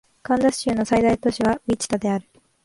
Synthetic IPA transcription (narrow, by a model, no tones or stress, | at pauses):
kãnd̪asɕɨːno̞said̪ait̪o̞ɕiβait͡ɕi̥t̪ad̪e̞aɾɯ̟